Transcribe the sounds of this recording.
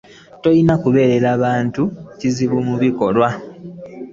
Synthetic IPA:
to̞jinakuβe̞ːɾe̞ɾaːβaːntuciziβumuβiko̞lwa

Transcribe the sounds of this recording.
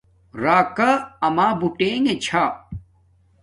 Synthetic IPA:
ɾaːkaɐmaːbuʈeːŋẽt͡ɕʰaː

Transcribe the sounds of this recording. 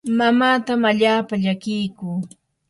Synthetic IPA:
mamaːt̪amaʎaːpaʎakɪjkʊː

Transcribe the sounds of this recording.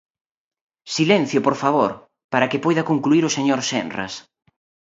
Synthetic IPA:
silɛn̟θjʊpoɾfaβoɾ | paɾɐkɪpojðɐkoŋkluiɾʊseɲoɾsɛ̰nrɐ̰s

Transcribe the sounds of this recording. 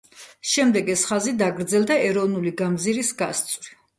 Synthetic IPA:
ʃɛmd̪ɛɡɛsχazid̪aɡɾd̪zɛlˠd̪aɛɾɔvnuliɡamziɾisɡast̪sʼvɾi

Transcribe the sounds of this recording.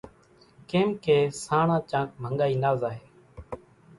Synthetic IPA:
keːmkeːsaːɳãːt͡ʃãːk̚mʱəŋɡaːiːnaːzaːɦeː

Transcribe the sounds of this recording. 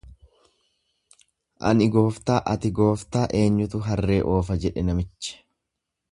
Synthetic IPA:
ʔɐ̰nɪɡo̞ːft̪aːʔɐt̪ɪɡo̞ːft̪aːʔe̞ːɲːʊt̪ʊɦɐrːe̞ːʔo̞ːfɐd͡ʒɛᶑɛnɐmɪt͡ʃːɛ̥

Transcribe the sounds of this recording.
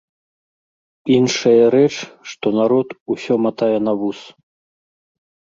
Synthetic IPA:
inʂɐjɐɾɛt͡ʂʂt̪ɔnaɾɔt̪usʲɔmat̪ajɛn̪ɐvus

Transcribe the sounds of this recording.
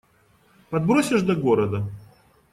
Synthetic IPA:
pɐd̪bɾosʲɪʐd̪ɐɡoɾəd̪ə

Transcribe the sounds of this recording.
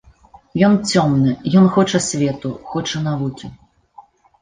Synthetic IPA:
jɔnt͡sʲɔmnɨjɔnxɔt͡ʂɐsʲvʲɛt̪uxɔt͡ʂɐnavukʲi

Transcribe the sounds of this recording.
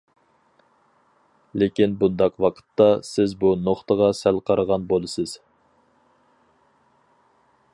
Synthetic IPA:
lekʲinbund̪ɑqwɑqʰə̥t̪ːɑsɪzbunoχt̪əʁɑsælqʰɑɾəʁɑnbolˠɨsɨz̥

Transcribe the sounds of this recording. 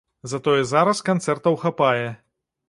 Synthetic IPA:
zɐt̪ɔjɛzaɾɐskant̪sɛrt̪ɐwxapajɛ

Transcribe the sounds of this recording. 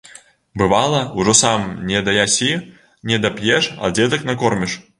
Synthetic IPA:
bɨvalˠɐuʐɔsamnʲɛd̪ɐjasʲi | nʲɛd̪ɐpjɛʂa̰d͡zʲɛd̪ɐknɐkɔrmʲiʂ

